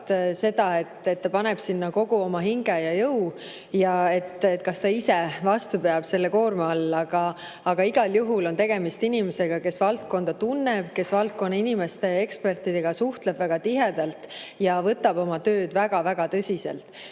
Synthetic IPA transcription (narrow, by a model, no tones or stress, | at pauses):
t̪se̞d̪̥ɑe̞t̪ːe̞t̪ːɑpɑneb̥sinːɑko̞ɡ̥uo̞mɑɦiŋɡ̥ejɑjɤw | jɑe̞t̪ːet̪ːˑkɑst̪ɑisevɑst̪upeɑb̥se̞lːe̞ko̞ːrmɑɑlːɑɡ̥ɑː | ɡ̥ɑiɡ̥ɑljuɦulo̞nt̪e̞ɡe̞mist̪inimese̞ɡ̥ɑke̞svɑlt̪̚ko̞nd̪̥ɑt̪unːe̞b̥ke̞svɑlt̪̚ko̞nːɑinime̞st̪e̞e̞kspe̞rt̪ːˑid̪e̞ɡ̥ɑsuht̪leb̥væɡ̥ɑt̪iɦe̞d̪̥ɑlt̪jɑvɤt̪ːˑɑbo̞mɑt̪ø̞ːd̪̥væɡ̥ɑvæɡ̥ɑt̪ɤsʲisḛlt̪ˑ